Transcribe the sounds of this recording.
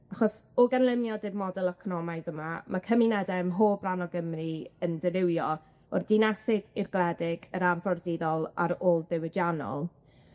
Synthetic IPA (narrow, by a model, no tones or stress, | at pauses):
aχɔsɔɡanlˠɪmjɔdɪbmɔdɛlˠɛkʰɔnɔmajðəmamʔakʰəminɛdɛmɦoːbranɔɡəmriəndəɾɪwjɔ | ɔrdɪnɛsɪɡɪrɡlˠɛdɪɡəɾanfɔrdɪðɔlˠa̰ɾoːlˠðɪwɪdjanɔ̰lˠ